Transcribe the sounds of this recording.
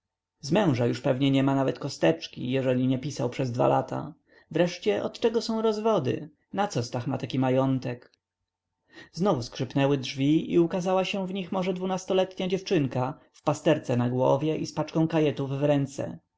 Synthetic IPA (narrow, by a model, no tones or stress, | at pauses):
zmɛ̃w̃ʐajuʂpɛvɲɛɲɛmanavɛt̪kɔst̪ɛt͡ʂkʲḭjɛʐɛlʲiɲɛpʲisawpʂɛzd̪va̰la̰t̪ʰa̰ | vɾɛʂt͡ɕɛʔɔ̰t̪t͡ʂɛɡɔsɔ̃w̃ɾɔzvɔd̪ɘ̰ | nat̪sɔst̪axma̰t̪akʲimajɔnt̪ɛk | znɔvuskʂɘpnɛwɘdʐvʲiḭukazawaɕɛ̃vɲixmɔʐɛd̪vunast̪ɔlɛt̪ɲad͡ʑɛft͡ʂɘŋkafpast̪ɛɾt̪sɛnaɡwɔ̰vʲjɛʔispat͡ʂkɔ̃w̃kajɛt̪uvːɾɛnt̪sɛ̰